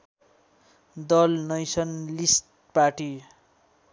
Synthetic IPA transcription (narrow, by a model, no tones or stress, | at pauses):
d̪ʌlnʌjsʌnlisʈ̚ | paʈi